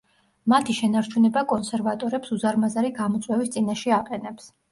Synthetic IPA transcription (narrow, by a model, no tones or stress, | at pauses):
mat̪ʰiʃɛnaɾt͡ʃʰunɛbakʼɔnsɛɾvat̪ʼɔɾɛpsuzaɾmazaɾiɡamɔt̪sʼwɛvist̪sʼinaʃɛaqʼɛnɛps